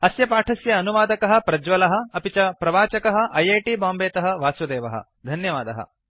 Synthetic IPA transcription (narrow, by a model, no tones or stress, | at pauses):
ɐsjɐpaːʈʰɐsjɐːnuʋaːd̪ɐkɐɦɐ̆pɾɐd͡ʒʋɐlɐɦɐ̆ɐpit͡ʃɐpɾɐʋaːt͡ʃɐkɐɦɐ̆ʔɐjeːʈiːbaːmbeːt̪ɐɦɐ̆ʋaːsʋɐd̪eːʋɐɦɐ̰ | d̪ʱɐnjɐʋaːd̪ɐɦɐ̰